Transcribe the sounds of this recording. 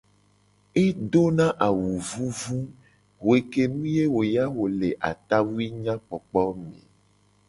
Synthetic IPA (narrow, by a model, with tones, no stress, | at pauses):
e˦ɖo˦nã˦ʔa˨wu˨vu˦vu˦ | wo˨e˨ke˦nũ˦je˦wo˨ja˦wo˨le˨ʔa̰˨t̪a˦wu˦i˦ɲã˦k͡pɔ˨k͡pɔ˦mḛ̃˨